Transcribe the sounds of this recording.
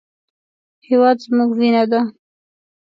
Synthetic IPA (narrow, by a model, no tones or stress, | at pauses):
hewɑd̪zmuɡwinad̪a